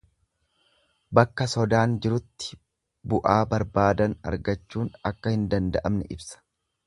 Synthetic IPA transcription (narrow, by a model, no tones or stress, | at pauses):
bɐkːɐsɔd̪aːnd͡ʒɪɾʊt̪ːɪ̥ | bʊʔaːbɐɾbaːd̪ɐnɐ̰ɾɡɐt͡ʃːuːnɐkːɐhɪnd̪ɐnd̪ɐʔɐmnɛʔɪbsɐ̥